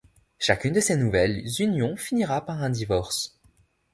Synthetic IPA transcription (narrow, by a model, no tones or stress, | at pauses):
ʃakʲynd̪əsenuvɛlzynjɔ̃finiʁapaʁɛ̃d̪ivɔʁs